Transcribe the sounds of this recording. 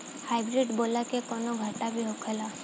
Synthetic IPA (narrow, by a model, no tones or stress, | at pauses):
hajbɾiɖbolakekɔnɔɡʱəʈabʱiɦokʰela